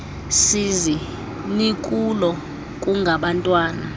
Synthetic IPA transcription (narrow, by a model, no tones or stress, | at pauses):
sizi | nikʼulɔ | kʼuŋɡʱaɓantʼwaːna